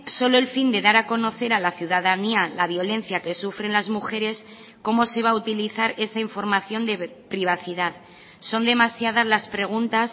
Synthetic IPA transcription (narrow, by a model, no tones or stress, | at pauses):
so̞lo̞elfind̪e̞ðaɾako̞no̞θe̞ɾalaθjuðaðanialaβ̞jo̞lẽ̞n̟θjake̞sufɾe̞nlazmuxe̞ɾe̞s | ko̞mo̞se̞β̞aut̪iliθaɾe̞saiɱfo̞ɾmaθjo̞nd̪e̞pɾiβ̞aθiðað | so̞nd̪e̞masjað̞azlaspɾe̞ɣ̞unt̪as